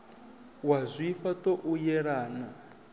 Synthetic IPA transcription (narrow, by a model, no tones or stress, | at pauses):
wazʷifatoʔujɛɺaːna